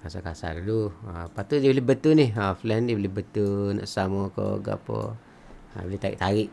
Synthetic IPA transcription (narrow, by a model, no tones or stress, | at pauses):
kasakasa̰duluapat̪udibəlɪbət̪unɪhaflɛndiəbəlɪbət̪una̰ʔsamɔko̰ɡa̰pɔ̰ | a̰bəlit̪aɾḭʔt̪aɾiʔ